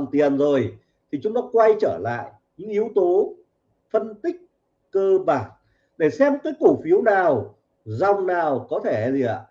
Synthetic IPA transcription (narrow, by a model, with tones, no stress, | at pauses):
nt̪i˨˩ənzo˨˩j | t̪ʰi˨˩t͡ɕʊ˨˦ŋ͡mt̪ɔ˨˦kwa˧jt͡ɕəː˧˩la̰ː˧˨j | ɲɨ̰˧˥ŋʔi˨˦əwt̪o˨˦ | fə˧nt̪ï˦˥k̚ | kəː˧ɓaː˨˩n | ɗe˧˩sɛ˧mkaː˨˦jku˧˩fi˨˦əwnaː˨˩w | za˨˩wŋ͡mnaː˨˩wkɔ˨˦t̪ʰe˧˩zi˨˩ʔa̰ː˧˩˨